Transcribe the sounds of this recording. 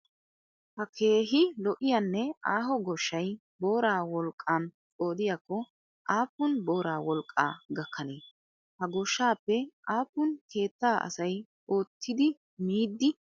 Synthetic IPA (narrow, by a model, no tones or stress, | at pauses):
hɐkʰe̞ːɦɪlɔʔɪjɐnːɛaːɦɔɡɔʃːɐj | bo̞ːɾaːwɔlkʼːant͡sʼo̞ːd̪ɪjakːɔ | ʔaːpːʊnbo̞ːɾaːwɔlkʼːa̰ːɡɐkːɐneː | hɐɡɔʃːaːpːɛʔaːpːʊnkʰe̞ːt̪ːaːʔɐ̰sɐj | o̞ːt̪ʰːɪd̪ɪ | miːd̪ːɪ